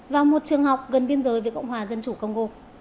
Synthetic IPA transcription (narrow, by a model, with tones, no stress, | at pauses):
vaː˨˩wmo˨˩t̚t͡ɕɨ˨˩əŋha˨˩wk͡p̚ɣə˨˩nɓi˧ənzəː˨˦jveː˨˦jkə̰˧wŋ͡mɦwaː˨˩zə˧nt͡ɕu˧˩kə˧wŋ͡mko˧